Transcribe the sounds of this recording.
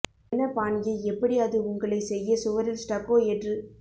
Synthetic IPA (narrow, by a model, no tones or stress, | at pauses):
nːɐpaːɳɡɐɪɛpːɐɽiɐðɯʊŋɡɐɭɐɪsɛjːɐsʊʋɐɾɪlsʈɐkːoːɛʈrɯ